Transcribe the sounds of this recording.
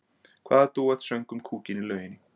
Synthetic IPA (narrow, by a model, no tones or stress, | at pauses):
kʰv̥aːðat̪uːɛt̪sɛjŋkʏmkʰuːcɪnilœːɥjɪnɪ